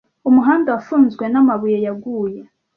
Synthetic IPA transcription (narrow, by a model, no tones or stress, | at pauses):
umuɦaːndawafuːnzɡwe̞namaβujejaɡuːje̞